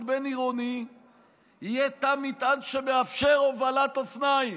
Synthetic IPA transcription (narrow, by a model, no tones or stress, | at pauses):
beniʁoni | ijet̪amit̪adʃebeafʃeʁovalat̪ofnaji